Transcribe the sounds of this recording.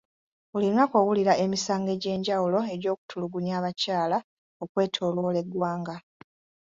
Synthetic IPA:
ulinako̞wuliɾaʔe̞misaːŋɡe̞ɟe̞ːɲɟawulo̞e̞ɾo̞ːku̥tʰuluɡuɲaːβacaːla | o̞kwe̞ːtʰo̞ːlwo̞le̞ɡwaːŋɡa

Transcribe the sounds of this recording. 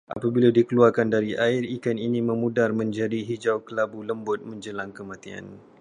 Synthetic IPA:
ʔa̰pabiladikəluarkandaɾiʔaɪrikaniniməmudarmə̃ɲd͡ʒadiɦid͡ʒawkəlabuləmbʊt̪̚mə̃ɲd͡ʒəlaŋkəmãt̪ia̰n

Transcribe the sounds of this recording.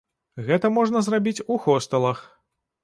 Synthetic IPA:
ɣɛt̪ɐmɔʐnɐzrabʲit͡sʲuxɔst̪ɐlˠɐx

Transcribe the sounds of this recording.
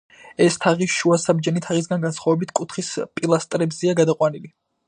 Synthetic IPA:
ɛst̪ʰaʁiʃuasabd͡ʒɛnit̪ʰaʁis̬ɡanɡansχwavɛbit̪ʰkʼut̪ʰχispʼilˠast̪ʼɾɛbzɛaɡad̪aqʼwanili

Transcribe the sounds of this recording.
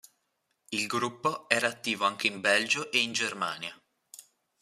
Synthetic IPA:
ilɡɾupːoɛːɾaːt̪ːiːvoaŋk̟eimbɛld͡ʒoʔeind͡ʒerma̰ːnja

